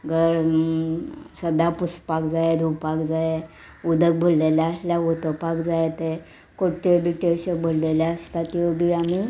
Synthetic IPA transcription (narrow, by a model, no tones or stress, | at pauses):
ɡʱəɾ | səd̪apuspakd͡zajed̪ʱupakd͡zaje | ud̪ək̚bʱolleljaəsljaʋot̪opakd͡zajt̪e | kot̪ebiʈeɕəbʱolleljaəst̪at̪ibʱiami